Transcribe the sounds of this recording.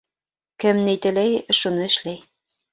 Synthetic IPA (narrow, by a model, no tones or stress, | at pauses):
kɘ̆mnejt̪ɘ̆læjʃunɘ̆ʃlæj